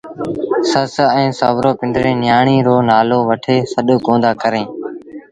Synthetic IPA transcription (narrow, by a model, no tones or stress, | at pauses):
səsɛ̃ːsəʋɾoːpɪ̃ɳɖɾẽːnjaːɳ̃iːɾoːnaːloːʋəʈʰeːsəɗokõːnd̪aːkəɾẽː